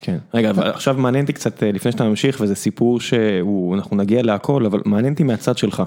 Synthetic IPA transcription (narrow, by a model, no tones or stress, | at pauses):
kʰenʁeɡava̰la̰χʃavmaːnjent̪ikt͡sat̪elifneʃat̪amamʃiχvezesipuʁʃe̞uanaχnunaɡialeakʰo̞lava̰lmaːnjent̪imeat͡sad̪ʃe̞lχa